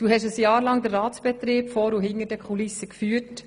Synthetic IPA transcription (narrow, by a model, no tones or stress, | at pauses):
d̥uːɦɛʃəsjɑːɾlɑŋd̪ərːɑːtsb̥ɛt̪ɾiːpfɔːɾuɦɪŋəɾdɛkχulɪsːəkfyːt